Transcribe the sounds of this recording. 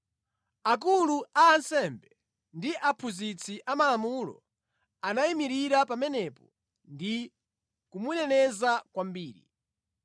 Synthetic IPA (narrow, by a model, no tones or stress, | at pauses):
ak̬uluaːnsɛmbɛ | ndiʔapʰuzit͡sʰiʔamalamulɔ̰ | anaimiɾiɾapamɛnɛpɔ | ndi | kumunɛnɛzakwambiːɾḭ